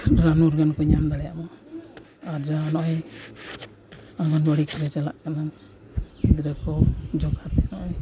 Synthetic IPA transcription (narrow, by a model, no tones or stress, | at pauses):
ɾanuɾɡankɔɲamd̪aɽɛjaʔmɔ | ad͡ʒanɔʔj | aɡɔnbɔɽikɔɾɛt͡ʃala̰ʔkana | id̪ɾakɔd͡ʒɔkʰat̪ɛnɔʔj